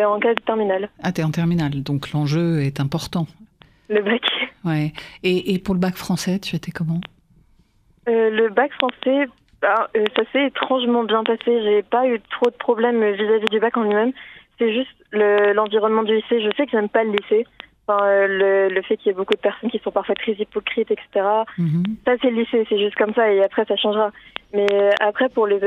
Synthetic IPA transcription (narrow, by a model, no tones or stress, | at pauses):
ɑ̃kad̪ət̪ɛʁminalat̪ɛɑ̃t̪ɛʁminald̪ɔ̃klɑ̃ʒøɛt̪ɛ̃pɔʁt̪ɑ̃ | ləbakwɛeʔːpuʁləbakfχɑ̃sɛt̪ʰyat̪ɛkɔmɑ̃ | øləbakfχɑ̃sɛ | bɛøsasɛet̪χɑ̃ʒmɑ̃bjɛ̃paseʒepayt̪χod̪əpχɔblɛmvizavid̪ybakɑ̃lɥimɛmsɛʒyst̪ləlɑ̃viʁɔnmɑ̃d̪yliseʒəsɛkəʒɛmpaləliseɑ̃fɛ̃ølələfɛkiljabokud̪əpɛʁsɔnkʲisɔ̃paʁfwat̪χɛzipɔkχit̪ɛkse̥t̪eʁasasɛləlisesɛʒyst̪̚kɔmsaeapχɛsaʃɑ̃ʒʁamɛøʔapχɛpuʁle